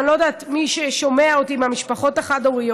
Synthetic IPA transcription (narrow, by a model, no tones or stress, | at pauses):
nlo̞d̪aːt̪miʃeʃo̞me̞aotiːmamiʃpaχo̞taχadoʁijo